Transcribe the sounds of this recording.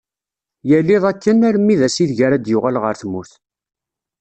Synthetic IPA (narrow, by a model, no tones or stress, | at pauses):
jælːiðˤækːənæɾmːiðæsiθʝæɾæd̪jʊʁælʁəɾθmuθ